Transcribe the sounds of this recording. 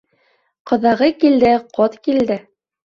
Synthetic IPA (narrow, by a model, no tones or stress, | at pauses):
qɤ̆ðɑʁɤkild̪ɘqʰot̪kild̪ɘ